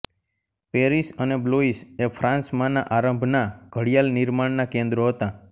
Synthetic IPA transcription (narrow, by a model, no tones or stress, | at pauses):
peɾisənebloisefʰɾãnsmãnaʔaɾə̃mbʱnaɡ̥ʱəɽijalniɾmaɳnakẽnd̪ɾoɦət̪a